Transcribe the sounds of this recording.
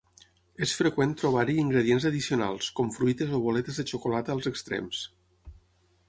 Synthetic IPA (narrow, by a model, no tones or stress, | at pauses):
esfɾəkwent̪ɾoβ̞aɾiːŋɡɾəðienzəðisiuna̰lˠskɔmfɾujt̪ezoβolɛt̪ezðət͡ʃukolat̪əːlˠzəkst̪ɾḛms